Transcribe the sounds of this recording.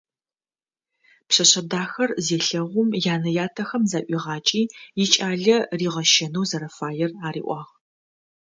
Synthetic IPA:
pɕɐɕɐdaːxɐrzeːɬɐʁʷʊmjaːnɐjaːtʰɐxɐmzaʔʷiːʁɑːt͡ʃʼiːjɪt͡ʃʼaːɮɐriːʁɐʃɐnuwzɐɾɐfaːjɛraːɾḭːʔʷɑːʁ

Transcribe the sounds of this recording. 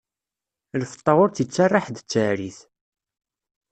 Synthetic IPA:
ləfə̥t̪ˤːəʁʊɾθit͡sːarˤːɑħd̪ət͡sːəɾiθ

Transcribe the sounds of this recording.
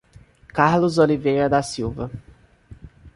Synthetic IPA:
kaɾlʊzolivejɾɐd̪ɐsiwvɐ

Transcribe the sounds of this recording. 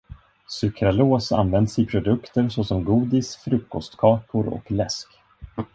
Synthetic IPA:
sɵkɾaloːsa̰nvɛnd̪sɪpʰɾʊd̪ɵkt̪əɾsosɔmɡuːd̪ɪsfɾɵkːɔst̪kʰɑːkʰʊɾɔ̰klɛsk

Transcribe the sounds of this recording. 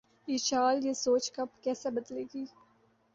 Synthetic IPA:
iːt͡ʃaːljesoːt͡ʃkɐpkɛːsebɐd̪leːɡiː

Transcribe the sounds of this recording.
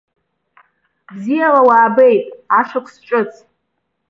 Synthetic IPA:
bzijalawaːbejtʼaʂʷakʷʰsʈ͡ʂʷʼɨt͡sʼʰ

